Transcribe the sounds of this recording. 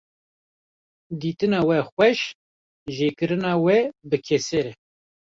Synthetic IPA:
d̪iːt̪ɨnɑːwɛxʷɛʃ | ʒeːkɨɾɨnɑːwɛbɨkʰɛseɾɛ

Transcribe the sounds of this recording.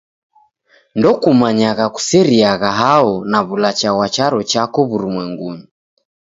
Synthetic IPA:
ndɔkumaɲaɣaku̥sɛɾiaɣaɦaɔnaβulat͡ʃawat͡ʃaɾɔt͡ʃakɔβuɾumwɛŋɡuɲi

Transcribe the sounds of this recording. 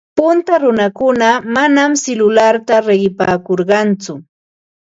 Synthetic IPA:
pʊnt̪aɾʊnakʊnamanamsɪlʊlaɾt̪aɾeɢɪpaːkoɾɢɑnt͡sʊ

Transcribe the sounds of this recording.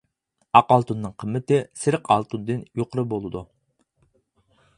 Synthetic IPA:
ɑqɑlˠt̪unːɨŋqʰəmːɪt̪ɪsɪɾqʰɑlˠt̪ʰund̪ɨnjoqʰəɾɨbolˠɨd̪u

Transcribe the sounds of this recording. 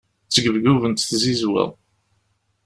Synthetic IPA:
t͡sːəɡəvɡuvənt̪θzizwə̰ðˤ

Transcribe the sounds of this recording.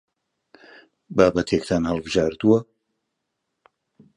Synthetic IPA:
baːbɐt̪ʰekt̪ʰanhɐlˠbɨʒaːɾd̪uwɐ

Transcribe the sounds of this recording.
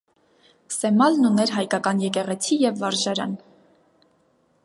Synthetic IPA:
sɛmɑlnunɛɾɦɑjkɑkɑnjɛkɛʁɛt͡sʰijɛvːɑɾʒɑɾɑ̰n

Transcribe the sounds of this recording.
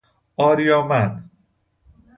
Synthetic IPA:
ɒːɾijɒːmæn

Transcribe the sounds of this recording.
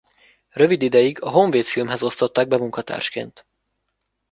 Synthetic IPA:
rø̞vid̪id̪ɛjiɡɒɦo̞ɱveːt̪filmɦɛzo̞st̪o̞t̪ːaːɡ̚bɛmuŋkɒt̪a̰ːrʃkḛːnt̪

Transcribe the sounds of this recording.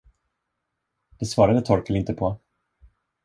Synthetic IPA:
d̪̥ɛsvɑːɾad̪ət̪ʰɔɾkəlɪnt̪əpʰɔ

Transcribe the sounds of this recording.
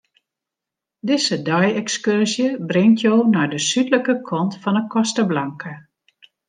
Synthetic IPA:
dɪzədɔjɛkskørsjəbrɪŋtʰjoːnaɹdəsytləkəkʰɔntfɔnəkɔstəblaŋkə

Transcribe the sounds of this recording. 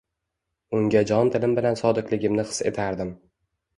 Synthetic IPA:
ʊŋɡʲad͡ʒɒnt̪ʰɪlɪmbɪlansɒd̪ɨqlˠɪɡʲɪmnɪχɨ̥se̞̰t̪ʰaɾd̪ɪm

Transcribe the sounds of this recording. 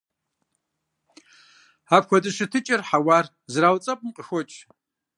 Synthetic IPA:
aːpxʷɔdɨʂɨtʰɨt͡ʃʼɐrħawaːr | zraːwt͡sʼɐpʼmqʼəxʷɔt͡ʃʼ

